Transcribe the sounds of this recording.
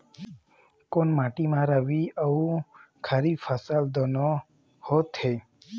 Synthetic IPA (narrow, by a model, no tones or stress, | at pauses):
konmãːʈimãɾəʋiəu | kʰəɾifʰəsəld̪ono | hot̪he